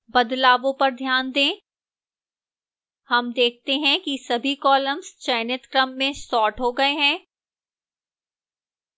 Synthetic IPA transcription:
bɐd̪laːʋõpɐɾd̪ʱjaːnd̪ẽː | hɐmd̪eːk̚ʰt̪eɦɛ̃kisɐbʱikɔːləmzt͡ʃɛːnɪt̪kɾəmːẽsɔːʈɦoɡɐeɦɛ̃ː

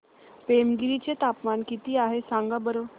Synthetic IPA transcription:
pemɡiɾit͡ɕet̪apmankit̪iːaɦesãŋɡabəɾo

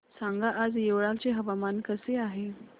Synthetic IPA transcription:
sãŋɡaʔad͡zjeʋɭãkt͡ɕeɦəʋamankəseaɦe

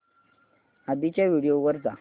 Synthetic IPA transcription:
abit͡ɕaʋiɽijoʋəɾd͡za

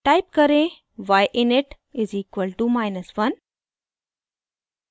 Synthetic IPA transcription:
ʈajp̚kəɾẽ | ʋajʔɪnɪʈ | iziːkʋəlʈumajnəsʋɐn

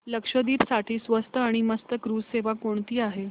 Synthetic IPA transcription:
ləkʂəd̪iːpsaʈʰiːsʋəst̪ʰəaɽ̃iməst̪əkɾuːd͡zseʋakoɳt̪iːaɦe

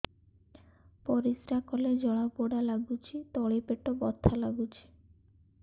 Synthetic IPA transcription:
pɔɾisɾakɔled͡ʒɔɭaboɽalaɡut͡ʃʰit̪ɔɭepeʈobɔt̪ʰːalaɡut͡ʃʰi̥

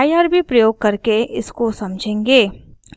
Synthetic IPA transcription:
ajaːɾbʱipɾɐjoːɡ̚kɐɾkeʔɪskosɐmd͡ʒʱẽːŋɡeː

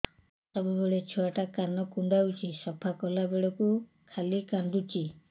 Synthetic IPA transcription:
sɔbubeɭet͡ʃʰɔaʈakanɔkuɳɖawt͡ʃisɔpʰakɔlabeɭɔku | kʰalikand̪ut͡ʃi

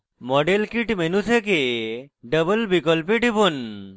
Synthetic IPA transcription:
mɔɖelkiʈmenut̪ʰekeɖəbəlbikɔlpiʈebon

